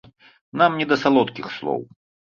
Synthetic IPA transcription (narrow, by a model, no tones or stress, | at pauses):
namnʲɛd̪ɐsalˠɔt̪kʲixslˠɔ̰w